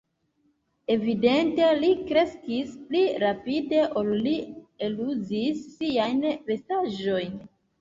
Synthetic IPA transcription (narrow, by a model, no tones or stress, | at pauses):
e̞vide̞nte̞likɾe̞skispliɾapide̞ʔollieluzisːiajnve̞staʒo̞jn